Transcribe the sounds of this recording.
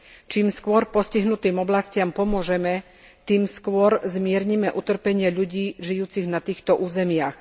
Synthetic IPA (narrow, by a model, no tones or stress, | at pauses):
t͡ʃiːmskʊɔɾpɔsciɦnut̪iːmɔblascɪampɔmʊɔʒɛmɛ | t̪iːmskʊɔɾzmɪɛɾɲimɛʔut̪r̩pɛɲɪɛʎuɟiːʒijuːt͡siɣnat̪iːxt̪ɔʔuːzɛmɪax